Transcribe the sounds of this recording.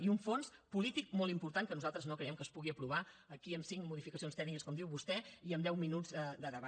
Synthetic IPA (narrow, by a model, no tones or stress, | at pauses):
iuɱfonspulit̪ik̚molˠimpuɾt̪aŋkənuzalˠt̪ɾəznokɾəɛmkəspuɣiəpɾuβ̞aəkiəmsiŋmuðifikəsionst̪ɛɡnikəskɔmd̪iwβust̪ɛiəmd̪ɛwminud͡zəd̪əðəβa